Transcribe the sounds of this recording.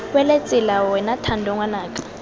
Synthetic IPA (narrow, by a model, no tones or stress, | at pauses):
wɛlet͡sʼilawɛnatʰandʱɔŋwanaːkʼḁ